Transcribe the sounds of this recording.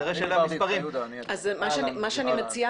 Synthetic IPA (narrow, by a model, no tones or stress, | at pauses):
ʁeʃelammispaʁim | azzmaʃeanimaʃeanimet͡sia